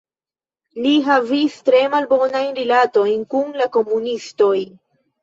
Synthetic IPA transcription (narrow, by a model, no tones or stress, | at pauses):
liɦavistɾe̞malbo̞najnɾilato̞jnkunlako̞munisto̞j